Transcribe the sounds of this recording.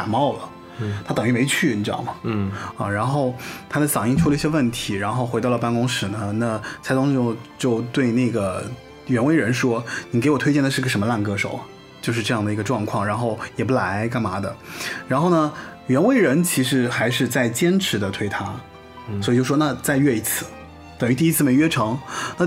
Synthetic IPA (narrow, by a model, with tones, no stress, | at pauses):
a˨˩mɑ˥˩ʊlə̰˩ | t̪ʰa˥t̪ɤ˨˩ŋi˧˥˩me˧˥ɪt͡ɕʰy˥˩i˧˩ʈ͡ʂ̩ɤ˥˧jɑ̰˥˩ŋmɐ˩ɐ̰˨ɻa˧˥nxo˥˩ʊt̪ʰa˥d̪ə˨sɑ˨˩ŋi˥˩ŋʈ͡ʂʰu˥lə˧i˥ɕjɛ˥wə˥˩nt̪ʰi˧˥ɻa˧˥nxo˥˩ʊxwe˧˥ɪɑ˥˩ʊlə˩pa˥˧nkʊ˥ŋʂɻ̩˨˩nə˧na˥˩t͡sʰa˧˥ɪt̪ʊ˥ŋʂ̩˧˩˥t͡ɕjo˥˧ʊt̪we˥˧ɪna˥˩ɡə˩ | ɥɛ˧˥nwe˧˥ɪɻə˧˥nʂwɔ˥ni˨˩ke˧˥ɪwɔ˨˩t̪ʰe˥ɪt͡ɕjɛ˥˩nə˩ʂɻ̩˥˧˥ə˩ʂə˧˥mə˧la˥˩nkɤ˥ʂo˨˩˦ʊ | t͡ɕjo˥˧ʊʂ̬ɻ̩˧ʈ͡ʂɤ˥˧jɑ˥˩ŋd̪ə˩i˧˥ɡə˧ʈ͡ʂwɑ˥˧ŋkʰwɑ˥˩ŋɻa˧˥nxo˥˩ʊjɛ˨˩pu˥˩la˧˥ɪka˥˩nma˧˥d̪ə̰˧ɻa˧˥nxo˥˩ʊnə˩ɥɛ˧˥nwe˥ɪɻə˧˥nt͡ɕʰi˧˥ʂɻ̩˧˥xa˧˥ɪʂɻ̩˥˧t͡sa˥˩ɪt͡ɕjɛ˥nʈ͡ʂʰɻ̩˧˥d̪ə˧t̪ʰwe˥ɪt̪ʰa˥ | swɔ˧˥i˨t͡ɕo˥˧ʊʂʂwɔ˥na˥˧t͡sa˥˧ɪɥɛ˥˧i˧˥˩t͡sʰɹ̩˥˩ | t̪ɤ˨˩ŋy˧˥t̪i˥˧i˥t͡sʰɹ̩˥˩me˧˥ɪɥɛ˥ʈ͡ʂʰɤ˧˥ŋna˥˧